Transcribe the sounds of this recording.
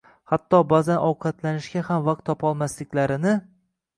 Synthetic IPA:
hat̪ːɒbazanʔɒwqʰɑt̪lanɪʃkʲahamvaq̚t̪ʰːɒpɒlˠmaslɪkʲlaɾɪnɪ

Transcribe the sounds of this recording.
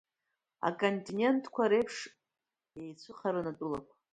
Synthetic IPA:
a̰kʼontʼinʲe̞ntʰkʷʰaɾejpʰʂ | ejt͡sʷʰɨχʰaɾɨnatʷʼʊlakʷʰa

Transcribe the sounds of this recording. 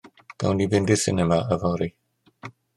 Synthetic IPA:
kã̰ʊ̃ndibɪ̃nd̪ɪsɪ̰nɛmaʔəvãɾi

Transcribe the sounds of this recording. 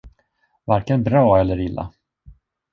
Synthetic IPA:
vaɾkənbɾɑːɛlːəɾɪlːa̰

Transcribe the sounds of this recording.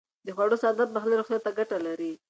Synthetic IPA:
d̪əxwaɽosad̪at̪̚baxleɾoxt̪jat̪ːaɡaʈalaɾi

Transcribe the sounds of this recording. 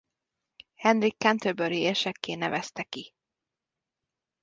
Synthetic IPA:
hɛnrikːɛnt̪øbøɾieːʃɛkːeːnɛvɛst̪ɛki

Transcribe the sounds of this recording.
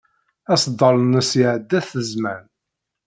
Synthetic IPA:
æsd̪ˤəlnəsiʕəd̪ːæθəzmæn

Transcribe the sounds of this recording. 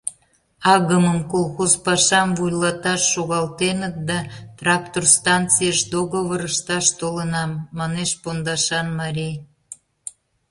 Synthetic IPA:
ɑɣəməmkolˠxozpɑʃɑmvujlɑt̪ɑʃːoɣɑlt̪enət̪̚d̪ɑt̪rɑk̚t̪orst̪ɑnt͡sijəʃd̪oɣoβəɾəʃt̪ɑʃt̪olənɑmːɑneʃpond̪ɑʃɑnmɑɾʲij

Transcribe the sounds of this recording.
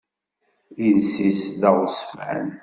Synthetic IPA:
jənsisðəʁsə̥fʕə̰n

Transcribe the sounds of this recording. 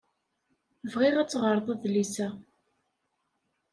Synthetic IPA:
vʁɪʁæt͡sːʁəɾˤðˤæðlisæ

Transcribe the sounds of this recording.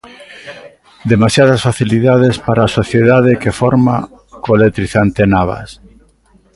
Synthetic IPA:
d̪emasjað̞asfaθiliðað̞espaɾaːsoθjeðað̞ekefoɾma | kolet̪ɾiθant̪enaβ̞a̰s

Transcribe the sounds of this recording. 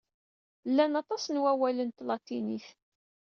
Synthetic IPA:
lːænɑt̪ˤɑsnwæwælənt̪lɑt̪iniθ

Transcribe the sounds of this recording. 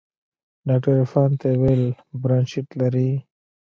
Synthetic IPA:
ɖaːk̚ʈəɾfaːnt̪awel | bɾanʃɪʈlaɾi

